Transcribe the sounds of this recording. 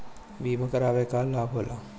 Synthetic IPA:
biːməkɐɾaːʋeːkaːlaːbʱɦoːla

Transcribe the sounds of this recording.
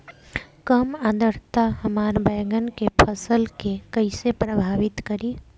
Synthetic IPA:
kəmad̪əɾt̪aɦəmaːɾbəːɡənkepʰəsəlkekəɪsepɾəbʱaːʋɪt̪kəɾi

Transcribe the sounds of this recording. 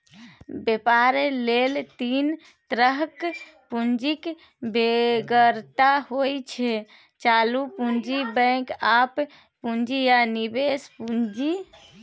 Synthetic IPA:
bepaɾelelt̪in | t̪ɾəɦk | pund͡ʒik | beɡəɾt̪aɦojt͡ʃʰɛ | t͡ʃalupund͡ʒibə̃kap | pund͡ʒijanibespund͡ʒi

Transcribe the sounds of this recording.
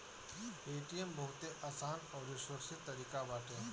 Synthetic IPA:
eːʈijəmbʱɐɦʊt̪eʔaːsaːnɔːɾɪʃwəɾsɪt̪ːɐɾiːkabaːʈẽ

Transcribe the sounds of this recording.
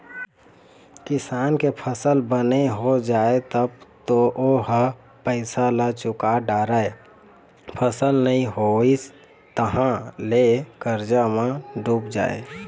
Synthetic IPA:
kisankepʰəsəlbəneɦod͡ʒaet̪əbt̪oʔoɦə | pəɪsalət͡ʃukaɖaɾəe | pʰəsəlnəĩɦois | t̪əɦãlekəɾd͡ʒamẽɖup̚d͡ʒa̰ḛ

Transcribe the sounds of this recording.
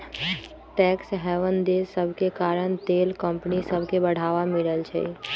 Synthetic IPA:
ʈɛksɦɛʋənd̪esəbʱkekaɾəɳ̃t̪eːlkə̃mpnisəbʱkebəɽ̤aʋamiləlt͡ʃʰɛ̰

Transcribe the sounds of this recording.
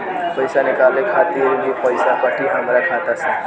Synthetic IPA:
pəɪsanɪkaːlekʰat̪iɾbʱipəjsapəʈiɦəmɾakʰat̪asẽ

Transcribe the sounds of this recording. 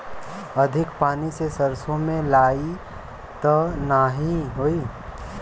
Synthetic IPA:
əd̪ʱɪkpaːnisesəɾsõmẽlaːi | t̪ənaːɦiɦoi

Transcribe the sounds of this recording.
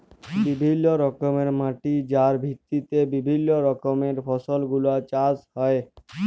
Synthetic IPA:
bibʱinːoɾɔkomeɾmaʈid͡ʑaɾbʱit̪ːit̪ebibʱinːoɾɔkomeɾfʰɔsolɡulat͡ɕashɔe

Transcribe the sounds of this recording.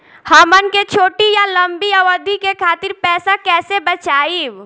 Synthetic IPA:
həmənket͡ʃʰoːʈijaləmbiəʋəɾd̪ʱikekʰaːt̪iɾpɛːsakɛːsebət͡ʃaːiw

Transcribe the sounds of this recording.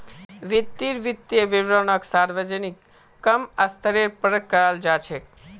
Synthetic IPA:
ʋit̪ːiɾʋit̪ːjeʋiʋɾənaksaɾʋəd͡ʒənikː | əmast̪əɾeɾpəɾəkkːəɾald͡ʒat͡ʃʰe

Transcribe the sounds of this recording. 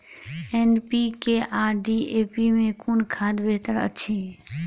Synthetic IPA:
eːnpikeʔaːɾɖieːpimẽkunkʰaːd̪beːt̪əɾə̰tːʃʰiɦ

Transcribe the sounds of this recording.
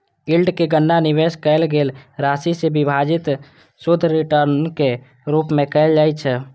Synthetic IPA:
ilɖkeɡənːanɪʋeskəelɡeːlɾasisebɪbʱad͡ʒɪt̪ | sʊd̪ʱːɾiʈəɾnke | ɾuːpmẽkəɪld͡ʒaːit͡ʃʰɛ

